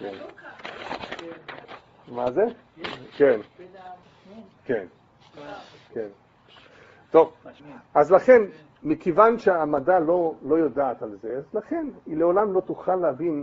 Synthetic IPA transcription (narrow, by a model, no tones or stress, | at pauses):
kḛn | mazeken | ken | ken | t̪o̞vazlaχe̞n | mikevanʃeamadalo̞lo̞jodaːt̪alzeazlaχe̞nileolamlo̞t̪uχalːeavin